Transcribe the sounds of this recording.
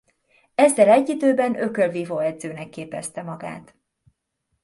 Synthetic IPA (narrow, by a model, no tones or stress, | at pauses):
ɛzːɛlɛɟːid̪øːbɛnøkølvivoːɛd̪zøːnɛkːeːpɛst̪ɛmɒɡa̰ːt̪